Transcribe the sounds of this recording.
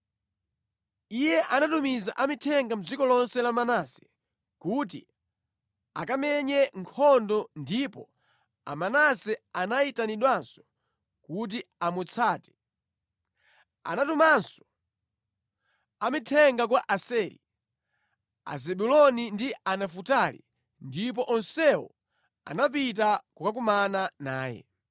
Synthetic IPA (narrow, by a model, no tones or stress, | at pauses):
ijɛʔanatumizaʔamitʰɛŋɡam̩d͡zikɔlɔnsɛlamanasɛ̥ | kutḭ | a̰kamɛɲɛŋkʰɔndɔndipɔ | a̰manasɛanaitaniɗwansɔ̥ | kut̬iamut͡sʰaːtɛ̥ | a̰natumansɔ̥ | amitʰɛŋɡak̬waʔasɛɾḭ | a̰zɛɓulɔnindianafutalḭ | ndip̬ɔʔɔnsɛwɔ̰ | a̰nap̬it̬akukak̬umananaːjɛ̰